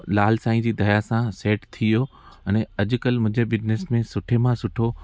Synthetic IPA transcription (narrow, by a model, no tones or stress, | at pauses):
laːlsaːĩd͡ʑiːd̪ʱɐjasãseːʈt̪ʰijo | ɛnɛɐd͡ʑʊ̆kəlmʊ̃ɦɪ̃d͡ʑebɪd͡ʑnesmẽsʊʈʰemãsʊʈʰo